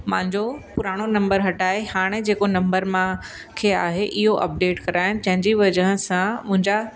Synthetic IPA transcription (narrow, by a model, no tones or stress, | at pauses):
mã̰ɦɪ̃ɲd͡ʑopʊɾaːɽ̃onɐ̃mbəɾɦɐʈaːehaːɽ̃ed͡ʑeːkonɐ̃mbəɾmã | kʰeːa̰ːɦeʔɪɦoʔɐ̰p̚ɖeːʈkɐɾaːɪñɪ̆d͡ʑɐ̃ɦɪ̃ɲd͡ʑiʋɐd͡ʑəɦə̃sãmʊ̃ɦɪ̃ɲd͡ʑa